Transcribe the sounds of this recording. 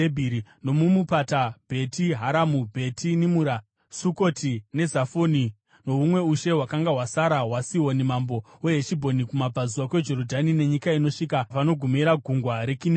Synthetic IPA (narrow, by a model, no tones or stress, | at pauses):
ebʱiɾino̞mumupatab̥ʱe̞tiɦaɾamubʱe̞tinimuɾa | suko̞tine̞zafoni | no̞umwe̞uʃe̞ɦwakaŋɡaɦwasaɾawasiwo̞nimambo̞weɦeʃibʱo̞nikumab͡vazuwakwe̞d͡ʒo̞ɾodʱanine̞ɲikaino̞ʂikapano̞ɡʱumiɾaɡʱuŋɡwaɾe̞kin